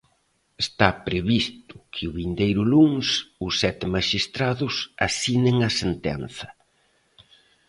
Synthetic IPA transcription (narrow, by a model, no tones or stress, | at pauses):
est̪apɾeβist̪ʊ̥kʰɪʊβind̪ejɾʊluŋsʊsːɛt̪ɪmaʃist̪ɾaðʊsasinɪŋɐsent̪ɛ̰nθɐ̥